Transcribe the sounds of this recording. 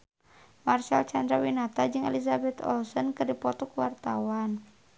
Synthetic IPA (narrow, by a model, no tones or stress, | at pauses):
marʃalt͡ʃand̪ɾawinat̪ad͡ʒɨŋɛ̰lizabɛt̪ɔ̰lsɔnkɨrdipɔt̪ɔkwart̪awan